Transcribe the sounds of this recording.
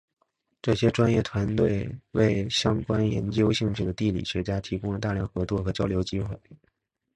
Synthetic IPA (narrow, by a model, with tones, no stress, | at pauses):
ʈ͡ʂɤ˥˩ɕjɛ˥ʈ͡ʂwa˥njɛ˥˩t̪ʰwa˧˥nt̪we˥˩ɪwe˥˩ɪɕjɑ˥ŋkwa˥njɛ˧˥nt͡ɕjo˥ʊɕi˥˧ŋt͡ɕ̩ʰ˥˩d̪ə˩t̪i˥˩lḭ˨˩ɕɥɛ˧˥t͡ɕja˥t̪ʰi˧˥kʊ˥ŋlə˨t̪a˥˧ljɑ˥˩ŋxɤ˧˥t͡swɔ˥˩xɤ˧˥t͡ɕjɑ˥ʊljo˧˥ʊt͡ɕi˥xwe˥˩ɪ